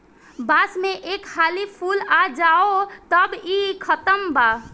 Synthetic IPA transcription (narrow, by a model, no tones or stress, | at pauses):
baːsmẽʔeːkhaːlipʰuːlad͡ʒaːot̪əbikʰət̪əmba